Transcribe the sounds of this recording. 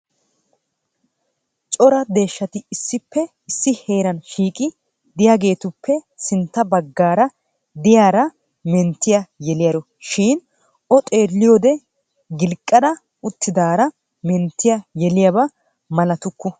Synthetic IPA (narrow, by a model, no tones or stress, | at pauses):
t͡ʃʼɔɾɐd̪e̞ːʃːɐt̪ɪːsːɪpːɛ | ɪsːɪhe̞ːɾɐnʃiːkʼɪ | d̪ɪjaːɡe̞ːt̪ʊpːɛsɪnt̪ːɐbɐɡːaːɾɐ | d̪ɪjaːɾɐ | mɛnt̪ːɪjɐjɛlɪjɐɾɔ | ʃiːn | ɔt̪ʼe̞ːlːɪjoːd̪ɛ | ɡɪlkʼːɐd̪ɐ | ʊt̪ːɪd̪aːɾɐ | mɛnt̪ːɪjajɛlɪjabɐ | mɐlɐt̪ʊkːʊ